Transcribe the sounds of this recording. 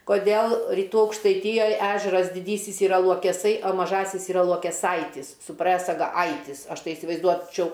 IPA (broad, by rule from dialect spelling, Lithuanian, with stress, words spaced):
koːˈdʲeːlˠ rʲiːˈtuː ɐʊkʃtɐɪˈtʲiːjoːj ˈæːʒʲɛrɐs dʲɪˈdʲiːsʲɪs iːˈrɐ lˠuɔkʲɛˈsɐɪ oː mɐˈʒɑːsʲɪs iːˈrɐ lˠuɔkʲɛˈsɐɪtʲɪs sʊ prɜsɐɡɐ ˈɐɪtʲɪs ˈɐʃ ˈtɐɪ ɪsʲɪʋɐɪzˈduɔt͡ʃʲɛʊ